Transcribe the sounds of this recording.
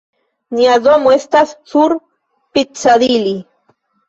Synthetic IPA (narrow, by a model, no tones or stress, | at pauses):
njaðomoest̪assuɾ | pit͡saðili